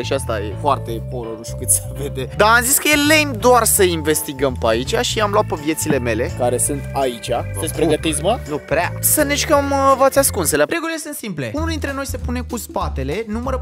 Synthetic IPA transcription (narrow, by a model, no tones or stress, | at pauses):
ʃiast̪ajḛfoart̪e̞polonuʃt̪ukɨt̪seved̪e̞d̪aːmziskəjelejmd̪oarsəinve̞st̪iɡəmpait͡ʃaʃiamloat̪pəvje̞t̪sile̞me̞le̞kaɾe̞sunt̪ait͡ʃʲḁespɾeɡət̪is̬mənupɾeasəneʃkəmvat̪sʲaskunseleɾʔe̞ɡulilesɨnt̪simple̞unuld̪int̪ɾe̞no̞jse̞pune̞kuspat̪e̞le̞numəɾə